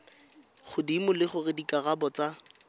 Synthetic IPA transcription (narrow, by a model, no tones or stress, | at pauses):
χʊdimʊlɪχʊrɪdikʼaɣabɔt͡sa